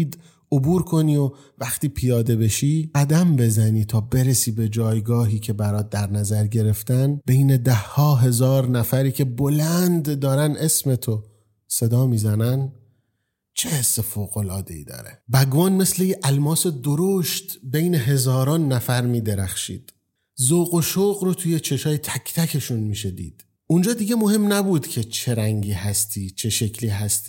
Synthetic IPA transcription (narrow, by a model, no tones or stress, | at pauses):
iːd̪ | obuːɾkʰo̞niːo | væxt̪iːpʰijɒːd̪e̞be̞ʃiːɡæd̪æmbe̞zæniːt̪ʰɒːbe̞ɾesiːbed͡ʒɒːjɡɒːɦiːcʰe̞bæɾɒːt̪̚d̪æɾnæzæɾɟe̞ɾe̞ft̪ænbe̞jne̞d̪æhːɒːɦe̞zɒːɾnæfæɾiːcʰe̞bolænd̪ːɒːɾæne̞sme̞t̪ʰo | se̞d̪ɒːmiːzænæn | t͡ʃʰehesːe̞foːɣo̞lɒːd̪e̞ḭd̪ɒ̰ːɾebæɡvɒːnme̞sle̞jeʔælmɒːse̞d̪oɾoʃt̪be̞jne̞ɦe̞zɒːɾɒːnːæfæɾmiːd̪eɾæxʃḭːd̪̥ | zoːɣoʃoːɣɾot̪ʰujet͡ʃʰe̞ʃɒːjet̪ʰæcʰt̪ʰækʰe̞ʃunmiːʃ̬ed̪ḭːd̪̥ | und͡ʒɒːd̪iːɡɟemohe̞mnæbuːd̪cʰe̞t͡ʃʰe̞ɾæŋɟiːɦæst̪ʰiːt͡ʃʰe̞ʃe̞cʰliːɦæst̪i̥ː